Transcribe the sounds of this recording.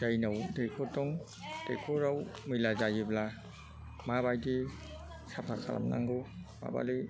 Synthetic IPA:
d͡ʒajnawdekʰɔtɔŋ | d̥ḛkʰɔɾawmɯlazajibla | maβajdi | sapʰakʰa̰la̰mna̰ŋɡɯma̰ba̰li

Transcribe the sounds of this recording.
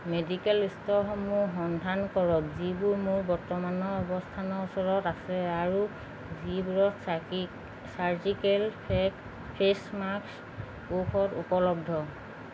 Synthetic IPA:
medikɛlistɔɦɔmuɦɔndʱankɔɹɔkzibʊɹmʊɹbɔɹtɔmanɔɔbɔstʰanɔusɔɹɔtasɛaɹu | zibuɹɔk | saɹzikɛlp | pʰesmaks | pukʰɔtṵpɔlɔb̚dʱɔ

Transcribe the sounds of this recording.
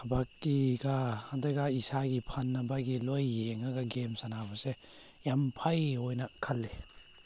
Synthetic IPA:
hɐbakːiɡahandajɡaisaɡipʰanːɐbaɡilojːeŋaɡɐɡemsanabɐse | jampʰajɦojnɐkʰɐlːe

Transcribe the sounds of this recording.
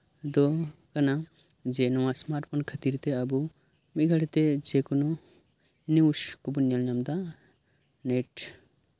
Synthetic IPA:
d̪ɔkana | d͡ʒɛnɔwasmaɾʈ̚pʰɔnkʰət̪iɾt̪ɛabu | miɡʱaɽɛt̪ɛd͡ʒekunu | niwskubunjalɲamd̪a | neʈ

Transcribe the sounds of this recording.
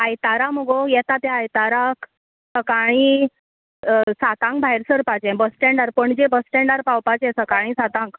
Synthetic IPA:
ajt̪aɾaməɡojɛt̪at̪jaajt̪aɾak | səkaɽ̃i | sat̪ãŋk̚bʱajɾsəɾpat͡ɕɛ̃bəsʈɛɳɖaɾpəɳd͡ʑebəsʈɛɳɖaɾpawpat͡ɕɛ̃səkaɽ̃ĩsat̪ãŋk

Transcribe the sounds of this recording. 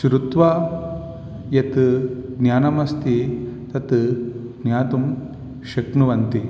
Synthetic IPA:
ʃɾut̪ʋaː | jɐt̪ɡnjaːnɐmɐst̪ʰit̪ɐt̪ɡnjaːt̪um | ʃɐknuʋɐnt̪i

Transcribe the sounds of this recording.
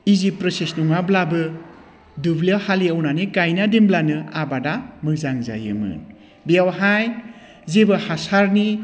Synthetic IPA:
izipɾɯsesnuŋablabɯ | dublawhaliawnanikajnademblanɯabadamɯkzaŋza̰jɯ̰mɯ̰n | bijawɦaj | zebɯhasaɾni

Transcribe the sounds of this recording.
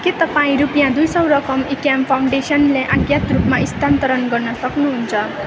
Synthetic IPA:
ket̪ʌpaĩɾupjãd̪ujsʌwɾʌkʌmekjampʰawɳɖesʌnleʔaɡjat̪rupmaist̪ʰant̪ʌɾʌnɡʌrnʌsʌknuɦunt͡sʰʌ

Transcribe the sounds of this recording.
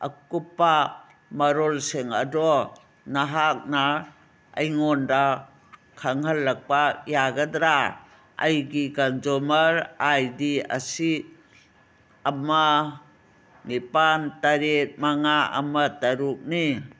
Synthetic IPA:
ɐkupːa | mɐɾolseŋɐ̰dɔ | naɦak̚na | ɐjŋonda | kʰaŋɦɐlːɐk̚pajaɡɐdɾa | ɐ̰jɡikand͡ʒɔmaɾajdia̰si | ama | nipantaɾet̚maŋaɐ̰mataɾuk̚ni

